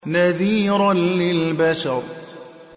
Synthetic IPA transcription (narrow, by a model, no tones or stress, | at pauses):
naðiːɾanːɪlbaʃɑɾˤ